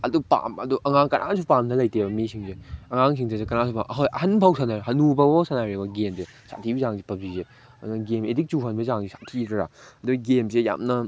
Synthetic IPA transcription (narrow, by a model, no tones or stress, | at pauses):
ɐdupa̰mɐ̰duʔɐŋaŋkɐ̰nʔa̰supamdʰɐlɐjtebɐmesiŋzeɐŋaŋs̬ʰiŋdʰezekɐnasupamʔɐɦojʔɐɦɐnpʰawsʰanaɾɦɐnubɐbosʰanaɾebɐɡemze | sʰa̰tʰibizaŋzipɐb̚ize | ɐuɐɡemedik̚t͡ʃuɦɐnbɐzaŋsisḁtʰiɾɐɾa̰ɐduɡɐɡemseja̰mnɐ